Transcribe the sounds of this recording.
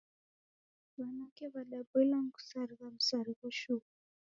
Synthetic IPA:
wanakɛβaɗabɛlaŋ̩ku̥saɾiɣam̩saɾiɣɔʃuka

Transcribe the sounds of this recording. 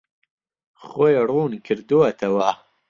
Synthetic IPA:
χojruːnkʰɨɾd̪uwɐt̪ʰɐwa

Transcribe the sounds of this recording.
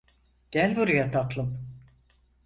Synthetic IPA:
ɟ̥ælʲbuɾujat̪ʰat̪lˠɯm

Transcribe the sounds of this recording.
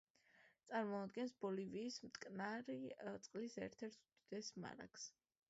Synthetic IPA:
t̪sʼaɾmɔad̪ɡɛnsb̥ɔliviːsmt̪ʰʼkʼnaɾit̪sʼqʼlisɛ̰ɾt̪ʰɛɾt̪ʰud̪̥id̪ɛsma̰ɾa̰kʰs

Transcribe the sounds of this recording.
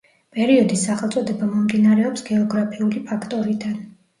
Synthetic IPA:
pʼɛɾiɔd̪isːaχɛlˠt̪sʼɔd̪ɛbamɔmd̪inaɾɛɔpsɡɛɔɡɾapʰiulipʰakʰt̪ʼɔɾid̪an

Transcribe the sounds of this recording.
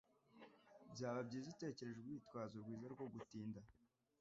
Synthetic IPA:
bjaːβabɟiːzite̞ːce̞ɾe̞ʒeɡwiːtwaːzoɾɡwiːzaɾɡwo̞ɡutiːnda

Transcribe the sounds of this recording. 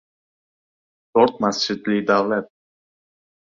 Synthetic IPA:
t̪oɾt̪̚mast͡ʃɪd̪lid̪avlat̪̚

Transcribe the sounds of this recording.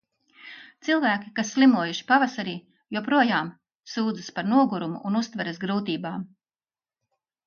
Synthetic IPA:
t̪silˠvæːkʲi̥kasːlʲˠimuɔjuʃi̥pavasaɾiː | juɔpɾuɔjaːm | suːd̪zɨspaɾnuɔɡuɾumṵʔunust̪vɛɾɐsɡɾuːt̪iːbaːm

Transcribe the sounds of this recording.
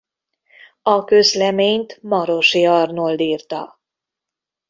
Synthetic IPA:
ɒkø̞zlɛmeːɲt̪mɒɾo̞ʃiɒrnold̪iːrt̪ɒ̰

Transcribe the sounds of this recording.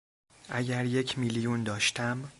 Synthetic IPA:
ʔæɟæɾje̞cʰmilijund̪ɒːʃt̪ʰæm

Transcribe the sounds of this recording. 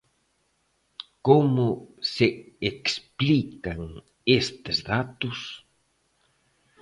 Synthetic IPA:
komʊseeksplikaŋ | est̪ɪzðat̪ʊs

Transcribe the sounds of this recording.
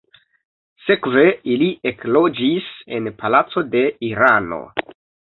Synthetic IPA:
se̞kve̞iliʔeklo̞d͡ʒise̞npʰalat͡so̞de̞iɾano̰

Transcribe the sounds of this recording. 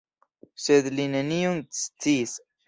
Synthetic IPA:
sed̪lineniunst͡siːs

